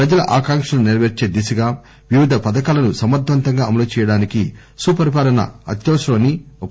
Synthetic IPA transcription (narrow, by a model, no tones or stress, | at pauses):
pɾɐd͡ʒɐlɐʔaːkaːŋkʂɐlnuniɾʋeɾt͡ʃe̞ːd̪isɐɡaː | ʋiʋid̪ʱɐpɐd̪ɐkaːlɐnusɐmɐɾt̪ʋɐnt̪ɐŋɡaːɐmɐloːt͡ʃɛːjɐɽaːnikḭ | suːpɐɾip̬aːlɐnɐ̰ɐ̰t̪joːsloːni